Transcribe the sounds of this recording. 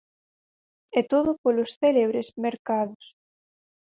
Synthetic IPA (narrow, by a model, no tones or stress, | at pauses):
ɛt̪oðopolosθeleβ̞ɾezmeɾkaðos